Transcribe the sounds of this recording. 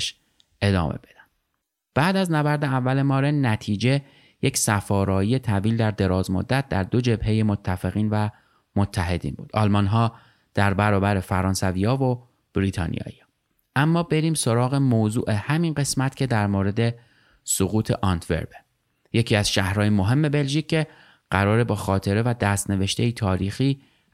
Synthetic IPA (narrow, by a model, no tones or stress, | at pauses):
ʃ | e̞d̪ɒ̰ːmḛbed̥̪æn̥ | b̥æːd̪æznæbæɾd̪eævːælemɒːɾenːæt̪ʰiːd͡ʒe̞ | jecsæfɒːɾɒːije̞t̪ʰæviːld̪æɾd̪e̞ɾɒːzmo̰d̪ːæt̪̚ʰd̪æ̰ɾd̪o̞d͡ʒebhe̞je̞mot̪ʰːæfe̞ɣiːnvæ | mot̪ʰːæɦe̞d̪ḭːnbṵːd̪ʔɒːlmɒnɦɒː | d̪̥æɾbæɾɒːbæɾe̞fæɾɒːnsæviːɒːvo | b̥ɾiːt̪ʰɒ̰ːnḭɒ̰ːji | ʔæmːɒːbe̞ɾiːmso̞ɾɒːɣe̞moːzṵːʔe̞hæminɢe̞smæt̪cʰe̞d̪æɾmoːɾe̞d̪e̞ | soɣuːt̪ʰe̞ʔɒnt̪ʰve̞̰ɾbe | je̞cʰiːæzʃæhɾɒːjemo̞ɦe̞mːe̞be̞lʒiːc̚ʰʲːe | ɢ̥æɾɒːɾebɒːxɒːt̪ʰe̞ɾe̞væd̪æst̪ne̞ve̞ʃt̪ejit̪ʰɒːɾiːxiː